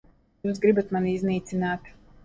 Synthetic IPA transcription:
juːs̬ɡɾibat̪maniizniːt̪sinaːt̪

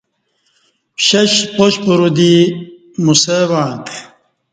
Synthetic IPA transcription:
pɕɐɕpoɕpuɾud̪i | musewãːt̪ʰ

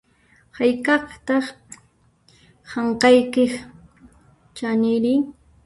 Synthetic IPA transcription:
hajkɑχt̪ɑχ | hɑɴqɑjkɪx | t͡ʃanɪɾɪ

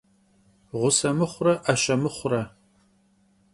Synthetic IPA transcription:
ʁʷʊsɐmɨχʷʊrɐʔɐɕɐmɨχʷʊrɐ

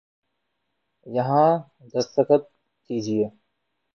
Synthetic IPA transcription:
jɐɦãː | d̪ɐst̪əkət̪̚ | kiːd͡ʒieː

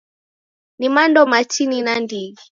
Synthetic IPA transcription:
nimandɔmatininandii

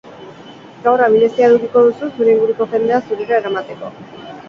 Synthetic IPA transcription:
kawraβine̞siaðukiko̞ðususuɾe̞iŋɡuɾuko̞ʝe̞nd̪e̞asuɾeɾaeɾamat̪e̞ko̞

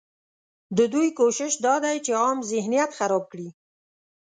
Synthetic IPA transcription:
d̪əd̪ujkoʃɪʃd̪ɑd̪ajt͡ʃeɑmzɪhnijat̪xaɾɑb̚kɽi

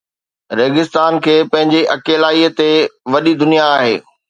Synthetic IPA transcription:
ɾeːɡɪst̪aːnkʰeːpɐ̃ɦɪ̃ɲd͡ʑeʔɐkeːlaːiət̪eʋɐɗid̪ʊnijaːɦḛː

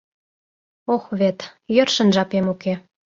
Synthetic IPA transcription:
oxβet̪jɤ̆rʃə̆nʒɑpemuke

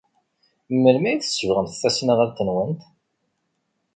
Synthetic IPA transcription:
mːəlmæjiθə̥səvʁəmt̪θæsnəʁæɾt̪ːənwənt̪

